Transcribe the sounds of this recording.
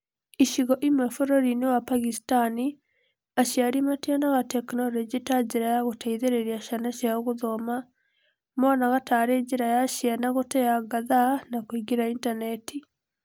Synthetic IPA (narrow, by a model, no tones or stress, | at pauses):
iʃiɣɔʔimwɛfoɾɔɾinewapaɣistani | aʃiaɾimatianaɣatɛknɔlɔd͡ʒitad͡ʒeɾajaɣotaiðeɾeɾiaʃanaʃjaoɣoðɔma | mɔnaɣataːɾed͡ʒeɾajaʃjanaɣotɛaɡaðanakoiɡiɾaintanɛti